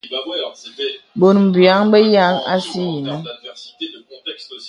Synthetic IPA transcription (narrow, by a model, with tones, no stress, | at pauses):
bo˨nm̩˨bja˨˦ŋbɛ˦ja˦ŋa̰˦si˦ji˨nɔ˦